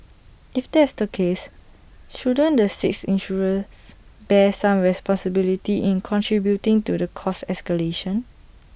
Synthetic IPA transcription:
ifdɛsdəkʰes | ʃudə̃ndəsɪksĩnʃuɹə̃nsb̥ɛsãmɹɛspɔ̃nsəbilitiʔĩnkʰɔ̃ntʰɹibjutɪ̃ŋtudəkʰɔsɛskəleʃə̃n

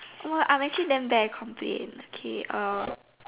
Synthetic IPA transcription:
ʔɔmoʔã̰ɪ̃mɛk̚t͡ʃulidɛ̃mbɛkʰːɔ̃mpʰlḛ̃nokʰeʔɔ

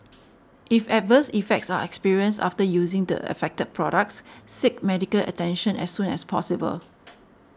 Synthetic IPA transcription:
ʔifɛt̚vəsifɛk̚tsaɛkspiɹiə̃nsta̰ftəjuzɪ̃ŋdə̰ə̰fɛk̚təd̚pʰɹɔɾək̚tssɪk̚mɛdikəlʔə̰tɛ̃nʃə̃nɛ̰sːũnɛspʰɔsibə̰l

